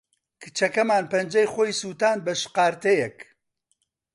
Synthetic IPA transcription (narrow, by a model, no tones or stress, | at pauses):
kʰɨ̥t͡ʃʰɐkɐmaːnpɐnd͡ʒɐjxoːjsuːt̪aːnbɐʃɨ̥qɑːɾt̪ɐjɛk